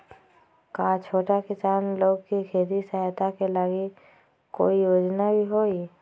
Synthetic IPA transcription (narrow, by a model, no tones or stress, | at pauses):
kat͡ʃʰoːʈakɪsaːnloːɡkikʰeːd̪isaɦt̪akelaːɡi | koːijoːd͡ʒnabʱiɦoːi